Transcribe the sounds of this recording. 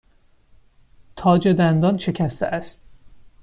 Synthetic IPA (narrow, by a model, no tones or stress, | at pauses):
t̪ʰɒːd͡ʒe̞d̪ænd̪ɒnʃe̞cʰæst̪eʔæst̪̚